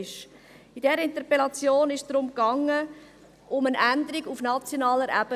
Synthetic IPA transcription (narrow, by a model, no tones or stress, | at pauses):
ʃ | idɛɾəɪnt̪əʁpelɑt͡sjoːnɪʃd̥ɾʊmkɑŋːə | ʔʊmənændəɾiɡufnɑt͡sjonɑːləɾʔæb̥ə